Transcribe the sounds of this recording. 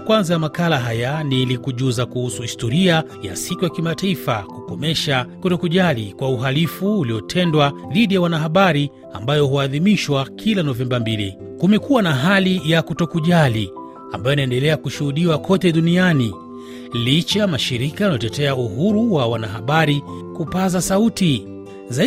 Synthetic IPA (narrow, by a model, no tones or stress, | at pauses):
kwanzajamakalaɦajanilikuʄuzakuhusuhistɔɾia | ja̰sikujakimataifakukɔmɛʃakutɔkuʄalikwauɦalifuːliɔtʰɛndwaðiɗijawanaɦaɓaɾi | a̰mbajɔhuaðimiʃwakʰilanɔvɛmbambili | kumɛkuwanaɦalijakutɔkuʄali | a̰mbajɔjinaɛndɛlɛakuʃuhuɗiwakʰɔtɛɗuniani | lit͡ʃamaʃiɾikajanaɔtɛtɛauɦuɾuwawanaɦaɓaɾikupazasauti | za